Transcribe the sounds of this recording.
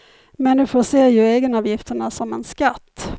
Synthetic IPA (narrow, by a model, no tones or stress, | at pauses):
mɛnd̪ɵfoːseːɾjɵeːɡənɑːvjɪft̪əɳasɔmɛ̰nskat̪ː